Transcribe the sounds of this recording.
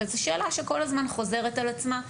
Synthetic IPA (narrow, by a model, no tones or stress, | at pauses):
ezeʃe̞ːlaʃeko̞lazmanχo̞ze̞ʁe̞talat͡sma